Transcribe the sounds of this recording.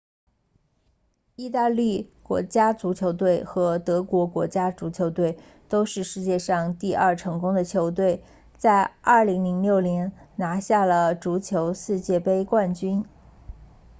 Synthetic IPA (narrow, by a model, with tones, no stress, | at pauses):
i˥˧t̪a˥˧li˥˩kwɔ̰˧˥t͡ɕja˥t͡su˧˥t͡ɕʰjo˧˥ʊt̪̬we˥˩ɪxɤ˧˥t̪ɤ˧˥kwɔ˧˥kwɔ̰˧˥t͡ɕja˥t͡su˧˥t͡ɕʰjo˧˥ʊt̪we˥˩ɪ | t̪o˥ʊʂɻ̩˥˧ʂɻ̩˥˧t͡ɕjɛ˥˧ʂɑ˥˧ŋt̪i˥˧ɐ˞˥˩ʈ͡ʂʰɤ˧˥ŋkʊ˥ŋd̪ə˨t͡ɕʰjo˧˥ʊt̪̬we˥˩ɪ | t͡sa˥˧ɪɐ˞˥˩li˧˥ŋli˧˥ŋljo˥˩ʊnjɛ˧˥nna˧˥ɕja˥˩lə˩ʈ͡ʂu˧˥t͡ɕʰjo˧˥ʊsɹ̩˥˧t͡ɕjɛ˥˩pe˥ɪkwa˥˩nt͡ɕy˥n